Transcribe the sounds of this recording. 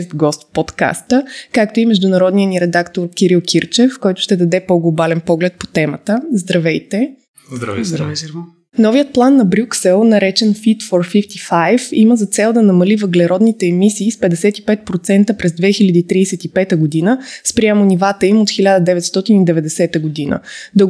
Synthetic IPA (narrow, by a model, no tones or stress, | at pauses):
st̪ɡɔst̪pot̪ka̰st̪əkakt̪oimɛʒd̪ʊnɐɾɔd̪niəniɾɛd̪akt̪oɾkʲiɾilˠkʲʰiɾt͡ʃɛfkɔjt̪ʊ̥ʃt̪ɛd̪ɐd̪ɛpoɡlˠobalɛnpɔɡlɛt̪̚po̥t̪ɛmət̪əzd̪ɾɐvɛjt̪ɛ | nɔviət̪̚plˠanːɐbɾʲuksɛlˠnɐɾɛt͡ʃɛnfit̪foɾfift̪ifajfiməzɐt̪sɛlˠd̪ɐnɐmɐlivəɡlɛɾɔd̪nit̪ɛːmisiːspɛd̪ɛsɛt̪i̥pɛt̪̚pɾot̪sɛnt̪əpɾɛzd̪vɛxilʲɐd̪iːt̪ɾiːsɛt̪ipɛt̪əɡod̪inəspɾiamʊnivat̪əimot̪xilʲad̪əd̪ɛvɛt̪st̪ɔt̪inid̪ɛvɛd̪ɛsɛt̪əɡod̪inə̰d̪o